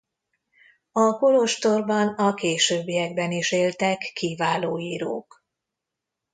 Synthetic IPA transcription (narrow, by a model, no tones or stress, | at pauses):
ɒko̞lo̞ʃt̪o̞rbɒnɒkeːʃøːbːijɛɡbɛniʃeːlt̪ɛkːivaːloːjiːɾo̰ːk